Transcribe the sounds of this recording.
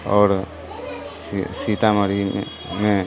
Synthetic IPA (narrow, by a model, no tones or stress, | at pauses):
ɔːɾ | sit̪amaɾi | me